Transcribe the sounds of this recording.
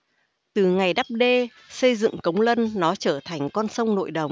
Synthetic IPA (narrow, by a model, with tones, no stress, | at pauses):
t̪ɨ˨˩ŋa˨˩jɗa˦˥p̚ɗe˧ | sə˧jzɨ̰˧˨ŋkə˨˦wŋ͡mlə˧nːɔ˨˦t͡ɕəː˧˩t̪ʰa˨˩jŋ̟kɔ˧nsə˧wŋ͡mno̰˧˨jɗə˨˩wŋ͡m